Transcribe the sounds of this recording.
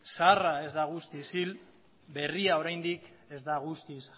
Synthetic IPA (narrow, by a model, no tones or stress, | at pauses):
sarae̞zd̪aɣ̞ust̪isil | be̞riao̞ɾajnd̪ik | e̞zd̪aɣust̪is